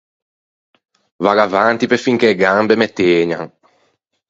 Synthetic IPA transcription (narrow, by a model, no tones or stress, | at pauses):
vaɾavant̪ipefiŋkeːɡambemet̪eːɲa̰ŋ